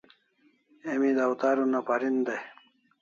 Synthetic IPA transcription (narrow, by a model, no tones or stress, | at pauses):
emid̪awt̪aːɾunapaɾind̪aj